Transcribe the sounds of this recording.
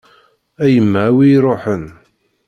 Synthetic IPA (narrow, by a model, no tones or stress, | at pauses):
æjəmːwiːɾˤoħən